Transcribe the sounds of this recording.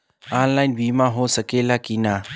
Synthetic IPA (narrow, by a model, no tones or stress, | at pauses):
aːnlaːɪnbiːmãɦoːsɐkeːlakinaː